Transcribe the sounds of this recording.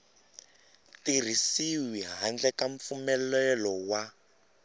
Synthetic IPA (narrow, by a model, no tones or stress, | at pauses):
tir̤isiwiɦand͡ɮɛkaɱp̪fumɛlɛlɔwa